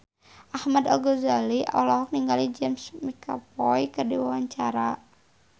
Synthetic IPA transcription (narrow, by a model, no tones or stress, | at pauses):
ʔahmada̰lɡɔzaliʔa̰lɔɦɔk̚niŋɡalid͡ʒɛmsmikʰa̰pɔikərdiwawaɲt͡ʃaɾa